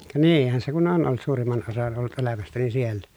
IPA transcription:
kɑ niːhæn se kun on ʔolt suːrimːɑn osɑn olːut ʔelæmæstæni sielːæ

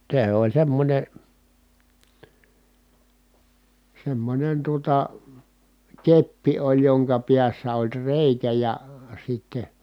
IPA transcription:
se olʲ semːonʲe semːonʲen tuotɑ kepːi olʲ joŋkɑ piæsːæ olʲ reˑikæ jɑ sitːe

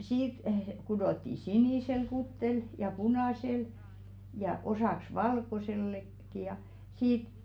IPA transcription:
siːt kudotːi siniˑsel kutːel jɑ punɑˑsel jɑ osɑˑks ʋɑlkoselːek ki jɑ siːt

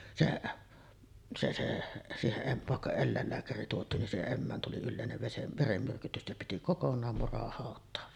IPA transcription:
se se se siːheʔ ʔem ʋɑˑekːɑ elːæˑelːæːkæri tuotˑiːn nin siːheʔ ʔemːæːn tuli ylːeˑineʋ ʋesem ʋeremːyrkytys ĕtːæ piti kokonˑɑːm murɑhɑˑotˑɑːʋ

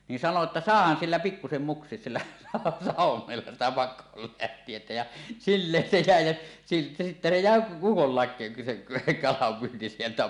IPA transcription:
ni sɑno etːæ sɑˑehɑn silːæ pikːusem muksˑies silːæ sɑˑuwˑomelːɑ sitæ pɑkˑoːlːæhtˑietæ jæ silːeːn se jæˑe jæ jɑ sitːæ se jæˑe ukolːɑˑe se kɑlɑmpyːnti sieltæ

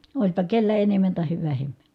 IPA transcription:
olʲpɑ kelːæ enemːæn tɑheʋ ʋæhemːæ̥

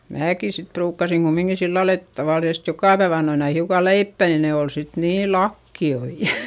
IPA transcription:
mæːki sit pruːkːɑsiŋ kumːiŋki silːɑl et tɑʋɑˑlisest jokɑˑ pæeʋ ɑnːoin ɑi hiukɑ leipːæ nin ne ol sit niːl lɑkːioi

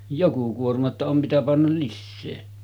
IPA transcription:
joku kuormɑ tːɑ om mitæ pɑnːɑl lisːeː

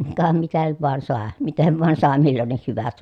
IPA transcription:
kɑ mitæ nyt ʋoɑn sɑˑe miten ʋɑˑen sɑˑe milːonːih hyʋæt

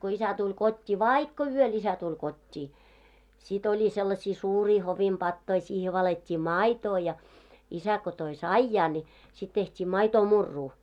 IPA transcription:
ko isæ tulʲ kotʲːiː ʋɑikːo yøl isæ tulʲ kotʲːiː sit olʲi selːɑsiː suːriː hoʋim b̥ɑtːoi siːhe ʋɑletʲːiː mɑˑitoː jɑ isæ ko toi sɑijɑː nʲi sit tehtiː mɑitoːmurːuː

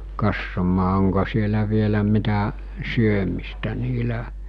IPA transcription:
kɑsːomɑː oŋko sielæ ʋielæ mitæ syømistæ niːlæ

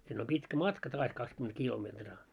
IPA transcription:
sinː om pitkæ mɑtkɑ tɑːs kɑkskyment kilometrɑː

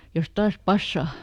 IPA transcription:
jos tɑːs pɑsːɑˑ

